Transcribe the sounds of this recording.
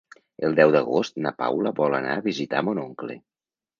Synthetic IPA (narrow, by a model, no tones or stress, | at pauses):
əlˠd̪ɛwd̪əɣost̪napa̰wləβɔləna̰ːβizit̪a̰monoŋklḛ